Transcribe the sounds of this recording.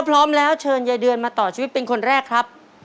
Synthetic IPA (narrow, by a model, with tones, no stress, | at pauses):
a˦˥pʰɾɔː˦˥mlɛː˦˥wt͡ɕʰɤː˧njaː˧˩jdɯ˧ənmaː˧t̪ɔː˨˩t͡ɕʰiː˧wi˦˥t̪̚pe˧nkʰo˧nɾɛː˥˩kʰɾa˦˥p̚